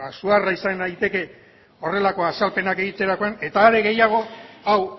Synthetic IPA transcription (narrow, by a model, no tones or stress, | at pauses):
asuaraisanajt̪e̞ke̞ | o̞re̞lako̞asalpe̞nake̞ɣ̞it̪eɾako̞ane̞t̪aːɾe̞ɣe̞jaɣ̞o̞aw